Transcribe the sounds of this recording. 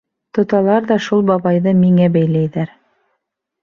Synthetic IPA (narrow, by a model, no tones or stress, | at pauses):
t̪ŏt̪ɑlˠɑɾðɑʃulˠbɑβɑjðɤmiŋæbæjlæjðæɾ